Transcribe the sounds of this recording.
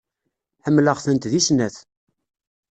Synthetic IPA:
ħəmːləʁθənt̪ðisnæθ

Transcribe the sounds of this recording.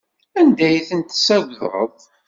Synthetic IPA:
ænd̪æjθənt̪sæɡʷðɾˤə̰ðˤ

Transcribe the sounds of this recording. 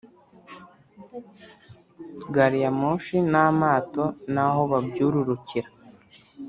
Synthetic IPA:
ɡaɾijamoʃinamaːto̞naɦo̞βabɟuːɾuɾuciɾa

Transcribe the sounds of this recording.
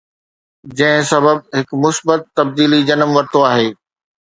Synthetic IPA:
d͡ʑɐ̃ɦɪ̃sɐbəb̚ɦɪkmʊsbət̪ːɐb̚d̪iːlid͡ʑɐnəmʋɐɾt̪oaːɦeː

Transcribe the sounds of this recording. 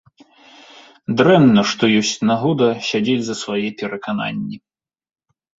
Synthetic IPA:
d̪ɾɛmnɐʂt̪ɔjɔsʲt͡sʲnaɦɔd̪ɐɕʲad͡zʲed͡zʲzɐsvajɛpʲɛɾɐkana̰nʲːi

